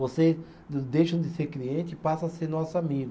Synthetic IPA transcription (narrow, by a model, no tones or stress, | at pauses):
voses | d̪ejʃɐ̃w̃d̪ɪseɾkliẽnt̪ɪipasɐ̃aseɾnɔsʊamiɡʊ